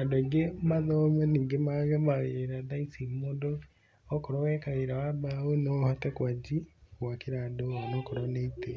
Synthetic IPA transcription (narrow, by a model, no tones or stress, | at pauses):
adoiɡemaðomɛniːŋɡemaɣɛmaɣeeɾadaisimoːdo | okoɾowɛkaɣeɾawabawuneohatɛkwad͡ʒikwakiɾadowanokoɾoneite